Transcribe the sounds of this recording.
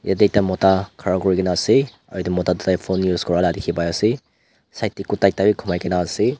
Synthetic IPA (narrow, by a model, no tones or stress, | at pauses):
ja̰dejtamɔtakʰaɾaɡɔɾikinasi | a̰dimɔtadtajpʰonːuskɔɾaladikʰibajasi | sajtːikutajtabikʰumajkinasi